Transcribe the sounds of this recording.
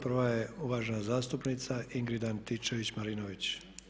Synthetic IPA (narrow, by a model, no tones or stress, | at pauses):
prʋaje̞uʋaʒenazaːst̪upnit̪saiŋɡɾid̪ant̪ːit͡ʃeʋit͡ɕmaɾinoʋit͡ɕ